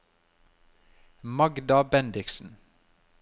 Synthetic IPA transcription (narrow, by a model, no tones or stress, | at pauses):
mɑɡd̪ɑbɛnd̪ɪksn̩